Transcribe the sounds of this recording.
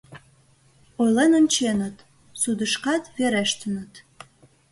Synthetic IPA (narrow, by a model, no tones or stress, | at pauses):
ojlenə̆nt͡ɕenə̆t̪ | sud̪ə̆ʃkɑt̪βeɾæʃt̪ə̆nə̆t̪